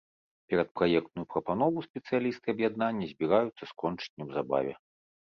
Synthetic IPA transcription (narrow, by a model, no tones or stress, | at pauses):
pʲɛɾɐt̪̚pɾajɛk̚t̪̚nujupɾɐpanɔvusʲpʲɛt̪sɨjalʲist̪ɨɐbjad̪nanʲːɐzʲbʲiɾajut̪sːɐskɔnt͡ʂɨ̥nʲːɛwzaba̰vʲɛ̰